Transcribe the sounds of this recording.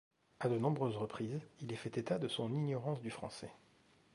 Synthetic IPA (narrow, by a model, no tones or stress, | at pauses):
ad̪ənɔ̃bʁøzʁəpχizilɛfɛt̪et̪ad̪əsɔ̃niɲjɔʁɑ̃sd̪yfχɑ̰̃sɛ